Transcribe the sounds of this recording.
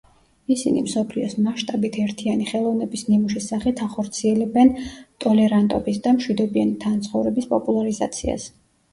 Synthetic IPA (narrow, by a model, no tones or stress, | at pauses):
isinḭmsɔpʰliɔsmaʃt̪ʼabit̪ʰɛɾt̪ʰianiχɛlˠɔvnɛbisnimuʃisaχit̪ʰaχɔɾt̪sʰiɛlɛbɛnt̪ʼɔlɛɾant̪ʼɔbisd̪amʃwid̪ɔbianit̪ʰant̪sʰχɔvɾɛbispʼɔpʼulˠaɾiza̰t̪sʰia̰s